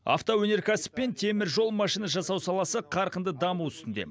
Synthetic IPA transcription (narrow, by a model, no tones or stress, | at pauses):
ɑ̰ft̪owɵne̞ɾkʲæsɪ̥pːe̞nt̪ʰe̞mɪɾʒo̞lˠmɑʃijnɑʒɑsɑwsɑlˠɑsəqʰɑɾqənd̪əd̪ɑmuwʏst̪ɪnd̪ḛ